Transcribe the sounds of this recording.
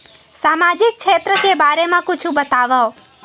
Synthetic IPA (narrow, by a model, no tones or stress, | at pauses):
samad͡ʒik̚t͡ʃʰet̪ɾəkebaɾemãkʊt͡ʃʰũbət̪aʋaw